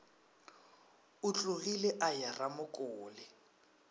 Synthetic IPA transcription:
ʊt͡ɬʼʊɣilɛʔajaramʊkʼʊːlɪ

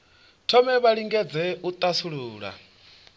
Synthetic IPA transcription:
tʰɔmɛβaɺiŋɡɛd͡zɛut̪ʼasuɺuːɺa̰

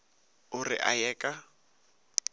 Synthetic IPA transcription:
ʊrɪ̰ʔa̰jɛːkʼa

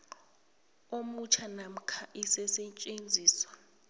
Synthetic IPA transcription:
omut͡ʃʰanam̩kʰaʔisɛsɛt͡ʃʼend͡zʱiːswa

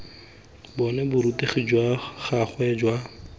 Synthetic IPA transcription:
bɔnɛbʊɾuteχid͡ʒwaχaχwɛd͡ʒwa

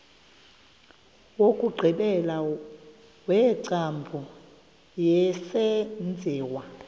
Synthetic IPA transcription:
wokʼuɡ͡ǀʱiɓɛla | wɛːǀambʱu | jɛsɛnd͡zʱɛːwa

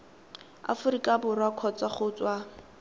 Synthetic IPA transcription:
a̰fʊrikʼabʊrwakʰɔt͡sʼaχʊːt͡sʼwa

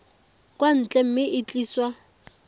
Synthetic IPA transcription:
kʼwan̩t͡ɬʼɛm̩mɪʔɪt͡ɬʼiːswa

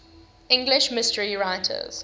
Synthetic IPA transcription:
ɪ̃ŋɡlɪʃmɪstəɹiɹaɪtʰə̰z̥

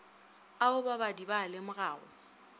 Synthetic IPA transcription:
aʊbabadibalɪmʊraːɣʊ̰

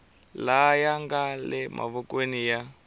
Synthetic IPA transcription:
lajaŋɡalɛmʔa̰βɔkwenija

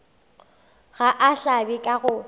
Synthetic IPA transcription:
ɣaʔaɬabikʼaɣʊ

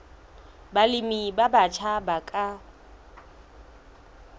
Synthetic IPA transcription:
balɪmibabat͡ʃʰabakʼa

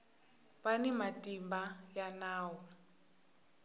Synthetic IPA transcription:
βanimatimbajanaːwɔ

